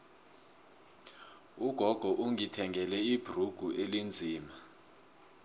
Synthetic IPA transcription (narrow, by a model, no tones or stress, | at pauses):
uɡ̥ʱɔɡ̥ʱɔʔuŋitʰɛŋʱɛlɛib̥ʱruɡ̥ʱuʔelind͡zʱiːma